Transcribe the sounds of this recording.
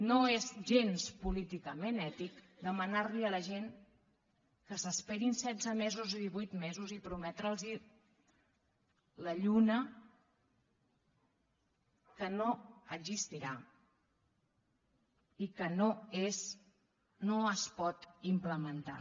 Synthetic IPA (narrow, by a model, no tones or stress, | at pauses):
noezʒenspulit̪ikəmenɛt̪ikd̪əmənaɾliələʒen | kəsəspeɾinsɛd͡zəmezuziðiβujt̪mezuzipɾumɛt̪ɾəlˠzi | ləʎunə | kənoəɡzist̪iɾa | ikənoes | noəspɔt̪impləmənt̪a̰